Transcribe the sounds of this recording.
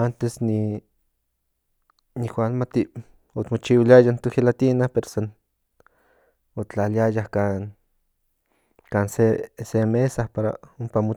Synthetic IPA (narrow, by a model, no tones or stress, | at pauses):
ant̪esni | nihwʷalmat̪i | ot̪mot͡ʃiwiliajant̪uhilat̪inahpeɾosan | ot͡ɬaliajahkaːn | kaːnsesemesahpaɾa̰umpamo